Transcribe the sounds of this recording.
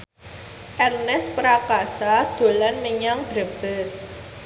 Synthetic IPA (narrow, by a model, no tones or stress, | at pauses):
ʔɛrnɛspəɾakasad̪̥o̤lanːəɲaŋd̥ɾə̤b̥ɛs